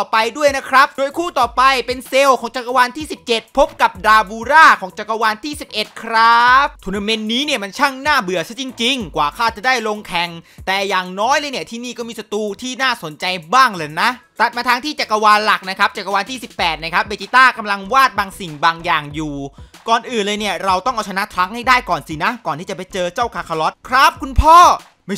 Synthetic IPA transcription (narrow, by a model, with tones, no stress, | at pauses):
ɔː˨˩pa˧jdu˥˩əjna˦˥kʰɾa˦˥p̚du˧əjkʰuː˥˩t̪ɔː˨˩pa˧jpe˧nse˧wkʰɔː˩˦ŋt͡ɕa˨˩kːa˧waː˧nt̪ʰiː˥˩si˨˩p̚t͡ɕe˨˩t̪̚pʰo˦˥p̚ka˨˩p̚daː˧buː˧ɾaː˥˩kʰɔː˩˦ŋt͡ɕa˨˩kːa˧waː˧nt̪ʰiː˥˩si˨˩p̚ʔe˨˩t̪̚kʰɾa˦˥p̚t̪ʰu˧na˧me˧nːiː˦˥ni˥˩ɐma˧nt͡ɕʰa˥˩ŋnaː˥˩bɯ˨˩əsa˦˥t͡ɕi˧ŋt͡ɕi˧ŋkwaː˨˩kʰaː˥˩t͡ɕa˨˩da˥˩jlo˧ŋk̪ʰɛ˨˩ŋt̪ɛː˨˩jaː˨˩ŋnɔː˦˥jlɤː˧jni˥˩ɐt̪ʰiː˥˩niː˥˩kɔː˥˩miː˧sa˧t̪uː˧t̪ʰiː˥˩naː˥˩so˩˦nt͡ɕa˧jbaː˥˩ŋlɤː˧˩jna˦˥ʔt̪a˨˩t̪̚maː˧t̪ʰaː˦˥ŋt̪ʰiː˥˩t͡ɕa˨˩kːa˧waː˧nla˨˩k̚na˦˥kʰa˦˥p̚t͡ɕa˨˩kːa˧waː˧nt̪ʰiː˥˩si˨˩pːɛː˨˩t̪̚na˦˥kʰa˦˥p̚beː˧t͡ɕi˧˥t̪aː˥˩ka˧mla˧ŋwaː˥˩t̪̚baː˧ŋsi˨˩ŋbaː˧ŋjaː˨˩ŋjuː˨˩kɔː˨˩nʔɯː˨˩nlɤː˧jni˥˩ɐɾa˧wt̪ɔ˥˩ŋʔa˧˩wt͡ɕʰa˧na˦˥t̪ʰɾa˦˥k̚ha˥˩jdaː˥˩jkɔː˨˩nsiː˨˩na˦˥kɔː˨˩nt̪ʰiː˥˩t͡ɕa˨˩pa˧jt͡ɕɤː˧t͡ɕa˥˩wkʰaː˧kʰa˧lɔ˦˥t̪̚kʰɾa˦˥p̚kʰu˧npʰɔː˥˩ | ma˥˩